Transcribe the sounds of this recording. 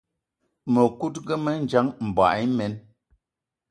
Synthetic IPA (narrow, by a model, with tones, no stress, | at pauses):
mə˨ku˦tɡə˦mə˦n̩˦d͡ʒa˦ŋm̩˨bwa̰˨˦mɛ˨˦n